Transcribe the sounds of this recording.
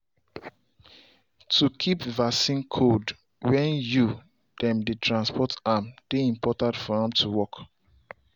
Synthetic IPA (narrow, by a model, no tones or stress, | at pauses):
tʰukʰipvasĩnkʰod | wɛ̃nju | d̥ɛ̃mdetʰɹãnspɔtamd̥eĩmpʰɔtãndfɔãmtʰuwɔk